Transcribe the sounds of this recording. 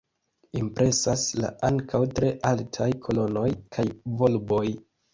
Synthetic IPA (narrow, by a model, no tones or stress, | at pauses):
impɾʔe̞sasla̰aŋkʰawtɾe̞ʔaltʰajkʰo̞lo̞no̞jkʰajvo̞lbo̞j